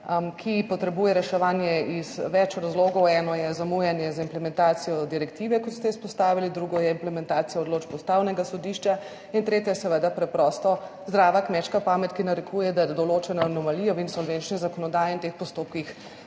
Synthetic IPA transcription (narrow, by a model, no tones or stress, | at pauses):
kʰipɔt̪ɾɛbujɛɾɛʃɛʋaːnjɛiz̥ʋɛt͡ʃɾazloːɡɔwɛnɔjɛzamujɛnjɛzaimplɛmɛ̃nt̪aːt̪sijɔd̪iɾɛkt̪iʋɛkɔt̪st̪ɛispɔst̪aːʋilid̪ɾuɡɔjɛimplɛmɛnt̪aːt̪sijaɔd̪loːd͡ʒpɔst̪aːwnɛɡasɔd̪iʃt͡ʃa | int̪ɾeːt̪ʲjɛjɛsɛʋəd̪apɾɛpɾɔst̪ɔ | zd̪ɾaːʋakmɛt͡ʃkapaːmɛt̪kinaɾɛkʰujɛd̪ad̪ɔlot͡ʃɛnɔːnɔmalijɔinsɔlʋent͡ʃnizakɔnɔd̪aːjɛint̪expɔst̪oːp̚kix